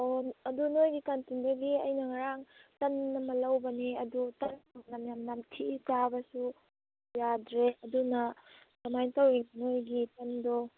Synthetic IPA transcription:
oɐdunojɡikantindɐɡiɐjnɐŋaɾaŋtɐnːɐmɐlɐwbɐniɐdutɐnanamjamnamtʰitabɐsu | jadɾeɐdunɐ | tɐmajntɐwɾiŋnojɡitɐndɔ

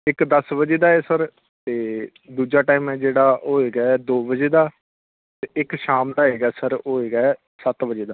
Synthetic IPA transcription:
ɪkd̪əsbəd͡ʒeːd̪aːeːsəɾ | t̪eː | d̪uːd͡ʒaːʈaːiːmɛ̃ːd͡ʒeːɽaːɦɦoːeːɡaːɛːd̪oːbəd͡ʒeːd̪aː | t̪eɪkʃaːmd̪aːɦeːɡaːsəɾɦoːeːɡaːɛː | sət̪bəd͡ʒeːd̪aː

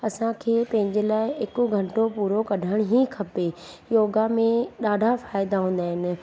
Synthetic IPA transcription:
ɐsãkʰeːpɐ̃ɦɪ̃ɲd͡ʑelaːɪɪkʊɡʱɐ̃ɳʈopuːɾokɐɖʱaɪɽ̃ɦĩkʰɐpejoːɡamẽɗaːɖʱafaːjɪd̪aɦũːn̆d̪aːɦɪnɪ̆

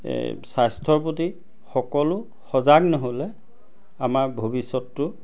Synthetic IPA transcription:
sastʰɔɹpoti | xɔkɔlʊ | xɔzaɡnɔɦolɛ | amaɹbʱobisɔtːʊ

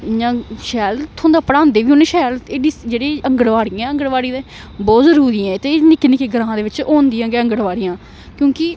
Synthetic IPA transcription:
jãːʃɛːlt̪ʰõːnd̪aːpəɽãːnd̪eːʋiːɦoːneːʃɛːleːɖiːd͡ʒeːɽeːəŋɡəɽʋaːɽijãɛə̃ŋɡəɽʋaːɽiːeː | bɔːt̪zəɾuːɾiːãːt̪eːnɪkːnɪkeːɡəɾãɦãːd̪eːʋɪt͡ʃoːnd̪ijãːɡeːə̃ŋɡəɽʋaːɽijãː | kjõːkɪ

